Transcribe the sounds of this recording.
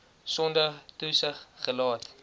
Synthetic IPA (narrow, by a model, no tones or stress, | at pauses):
sɔndətusəχːəlɑːt